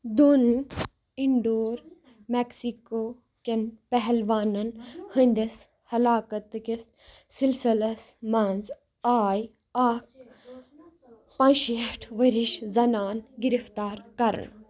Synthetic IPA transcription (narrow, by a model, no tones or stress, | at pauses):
d̪un | iɳɖoːɾ | meksikoː | kʲenpɛɦɛlʋaːnɐnhə̃nʲd̪ɐs | hɐlaːkɐt̪kes | silsilɐsmɐnz | aːj | aːk̚ | pɐ̃nʃiefʈʰʋɐɾiʃzɐnaːnɡiɾift̪aːɾkɐɾə̰ɳ